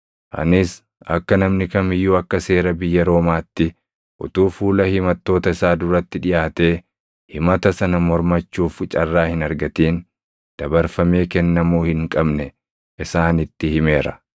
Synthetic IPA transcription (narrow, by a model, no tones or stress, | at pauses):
ʔɐ̰nɪs | ɐ̰kːɐnɐmnɪkɐmɪjːuːɐkːɐse̞ːɾɐbɪjːɐɾo̞ːmaːt̪ːɪ | ʔʊ̰t̪uːfuːlɐhɪmɐt̪ːo̞ːt̪ɐɪsaːd̪ʊɾɐt̪ːɪᶑɪjʔaːt̪e̞ː | hɪmɐt̪ɐsɐnɐmɔɾmɐt͡ʃːuːft͡ʃʼɐrːaːhɪnɐɾɡɐt̪iːn | d̪̥ɐbɐɾfɐme̞ːkɛnːɐmuːhɪŋkʼɐbnɛ | ʔɪsaːnɪt̪ːɪhɪme̞ːɾɐ̥̰